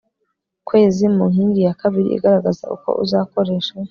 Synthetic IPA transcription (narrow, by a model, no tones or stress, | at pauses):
kwe̞ːzimuŋhiːŋɡijakaβiɾḭʔḭɡaɾaɡaza̰ʔṵko̞̰ʔuzaːko̞ɾe̞ːʃa